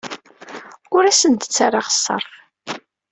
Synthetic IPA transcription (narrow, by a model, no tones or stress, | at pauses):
ʊɾæsənt̪ə̥t͡sːaɾˤaʁə̥sˤːɑ̰ɾˤ